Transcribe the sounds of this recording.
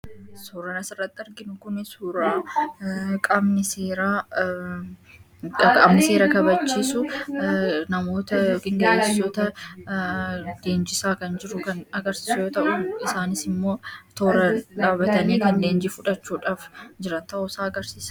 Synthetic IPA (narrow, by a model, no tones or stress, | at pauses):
suːɾɐnɐsɪrːɐt̪ːɪɐɾɡɪnʊkʊnɪsuːɾaː | kʼɐbnɪseːɾaː | kʼɐbnɪse̞ːɾɐkɐbɐt͡ʃːiːsʊ | nɐmo̞ːt̪ɐkɪŋɡɐʔeːt͡ʃːɪsoːt̪ɐ | d̪e̞ːnd͡ʒɪsaːkɐnd͡ʒɪɾʊkɐnɐɡɐɾsi̥ːsʊjoːt̪ɐʔʊɪsaːnɪsɪmːo̞ːt̪oːɾɐᶑaːbɐt̪ɐniːkɐndeːnd͡ʒɪfʊᶑɐt͡ʃːuːᶑaːfd͡ʒɪɾɐnt̪ɐʔʊsaːɐɡɐɾsiːsɐ